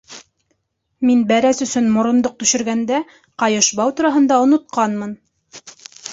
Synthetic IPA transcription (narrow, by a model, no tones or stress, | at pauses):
minbæɾæsɵ̆sɵnmŏɾŏnd̪oq̚t̪ɵ̆ʃɵ̆ɾɡænd̪æ | qɑjɤ̆ʃbɑwt̪uɾɑɦɤ̆nd̪ɑŏnŏt̪̚qʰɑnmɤn